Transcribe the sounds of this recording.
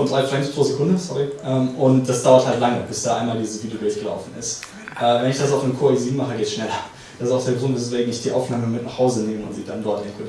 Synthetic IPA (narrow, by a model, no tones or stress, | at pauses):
fɔndʁ̥aɪfʁɛŋspʰʁ̥oːzekʰʊndəsɔʁiʔɛːmʔʊnt̚d̥asd̥aʊɐthaltlaŋəb̥ɪsd̥aːʔaɪmaːldiːzəsv̥iːdlɡɪlçɡəla̰ʊfn̩ɪ̰st | ʔɛːvɛnɪçd̥asaʊfnnkʰoːiːziːbm̩aχəɡeːtʃnɛlɐ | d̥asɪstaʊxd̥eːɐɡʁʊntdɛsv̥eːɡŋ̩ɪçd̥iːʔa̰ʊfnaːməmɪtnaχhaʊzəneːməʊ̰ntz̥iːdandɔɐtɪnkʰʊ